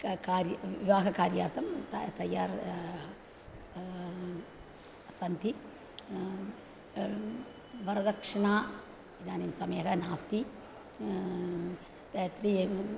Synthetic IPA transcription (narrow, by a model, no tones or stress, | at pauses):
kaːɾjɐʋiʋaːɡɐkaːɾjaːɾt̪ʰɐmt̪ɐt̪ɐjːaːɾ | sɐnt̪i | ʋɐɾɐd̪ɐkʂɐnaː | id̪aːnimsɐmɐjɐɦɐnaːst̪i | t̪ɐjt̪ɾi